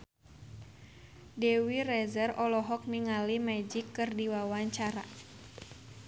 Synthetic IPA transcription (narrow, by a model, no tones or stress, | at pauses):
dɛwirɛzərɔlɔɦɔk̚niŋalimɛd͡ʒikːɨrdiwawaɲt͡ʃaɾa̰